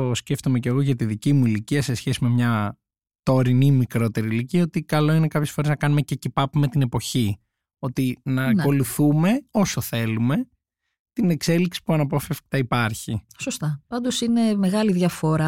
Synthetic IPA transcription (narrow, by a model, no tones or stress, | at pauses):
osce̞ft̪ome̞ce̞ɣo̞ʝɐt̪iðicimuiliciɐse̞sçe̞sime̞mɲɐ | t̪o̞ɾinimikɾo̞t̪e̞ɾiːliciɐo̞t̪ikɐlo̞inekɐpçesfo̞ɾe̞znɐkɐnume̞cecipɐpume̞t̪ine̞po̞çi | o̞t̪inɐːnko̞luθume̞o̞soθe̞lume̞ | t̪ine̞kse̞liksi̥puɐnɐpofefk̚t̪ɐipɐɾçisost̪ɐpɐnd̪o̞sine̞meɣɐliðʝɐfo̞ɾɐ